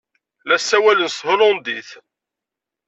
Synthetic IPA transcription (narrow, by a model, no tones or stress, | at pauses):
læsːæwælənsˤhʊɾʊnd̪iθ